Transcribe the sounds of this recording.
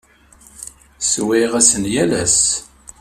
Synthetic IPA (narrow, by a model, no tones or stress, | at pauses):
swɪʁæsənjælæs